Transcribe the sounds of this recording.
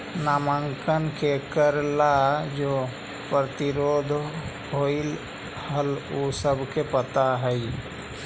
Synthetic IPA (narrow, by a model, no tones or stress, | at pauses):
naːməŋkənkʰekəɾlad͡ʒoː | pɾət̪ɪɾoːd̪ʱ | ɦoɪl | həlosəbʱkepət̪aɦɛi